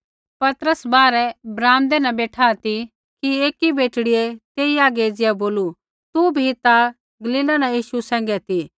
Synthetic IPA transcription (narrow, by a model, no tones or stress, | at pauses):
pɐt̪ɾəsbaːɾɛbɾaːmd̪ɛnɐ̃beːʈʰat̪i | kieːkibeːʈɽɪet̪eːiaːɡeːd͡zɪjɛboːlu | t̪ubʱit̪a | ɡɐliːlanãjiːʃusɛ̃ːŋɡɛt̪i